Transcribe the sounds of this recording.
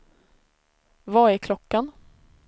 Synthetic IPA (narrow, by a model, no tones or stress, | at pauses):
vaæɾkʰlɔkːan